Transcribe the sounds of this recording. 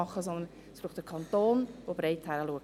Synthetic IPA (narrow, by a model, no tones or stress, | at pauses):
ɑχːəsɔnd̪ən | sbɾuːəχdəkʰɑnt̪oːnvob̥ɾeɪthæɾəluək̚